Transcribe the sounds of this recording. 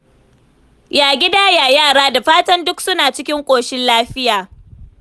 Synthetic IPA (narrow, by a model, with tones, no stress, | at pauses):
jaː˨ɡʲɪ˦daː˦jaː˨jaː˦˨ɽaː˦da˨ɸaː˦tɐ˦ndʊ˦ksʊ˦naː˨t͡ʃɪ˦kʲɪ˦ŋkʷʼoː˨ʃɪ˦nlaː˦ɸɪ˦jaː˨